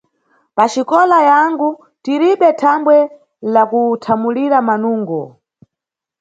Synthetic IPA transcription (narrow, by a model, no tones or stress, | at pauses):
pat͡ʃikɔlajaŋɡu | tiɾiɓɛtʰambwɛ | lakutʰamuliɾamanuːŋɡɔ